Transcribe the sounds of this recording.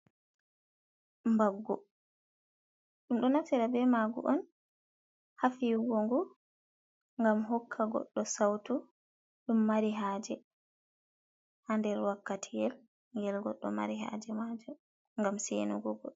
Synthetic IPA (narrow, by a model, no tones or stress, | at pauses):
mbaɡːɔ | ɗumɗɔnatɛɾabɛmaɡṵʔɔn | hafiɡɔŋɡu | ŋɡamɦɔkʰːaɡɔ̰ɗːɔsawtu | ɗumːaɾiɦaːd͡ʒɛ | handɛɾwakːatʰijɛl | ŋɡɛlɡɔ̰ɗːɔma̰ɾiɦa̰d͡ʒɛmad͡ʒɔ | ŋɡamsɛnuɡɔɡɔ